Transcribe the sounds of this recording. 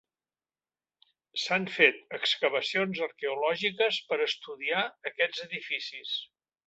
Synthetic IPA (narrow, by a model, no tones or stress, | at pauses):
saɱfet̪̚əkskəβ̞əsionzəɾkɛulɔʒikəspəɾəst̪uðiaəkɛd͡zəðifisis